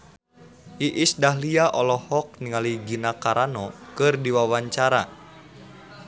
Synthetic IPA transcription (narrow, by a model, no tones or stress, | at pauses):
ʔiʔisdaɦliaʔɔlɔhɔk̚niŋaliɡinakaɾanɔkɨrdiwawaɲt͡ʃaɾa